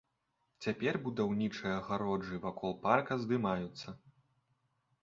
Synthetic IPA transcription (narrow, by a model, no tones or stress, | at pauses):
t͡sʲapʲɛrbud̪awnʲit͡ʂɨjɐɐɣaɾɔʐɨvakʰɔlˠparkɐzd̪ɨmajut̪sːɐ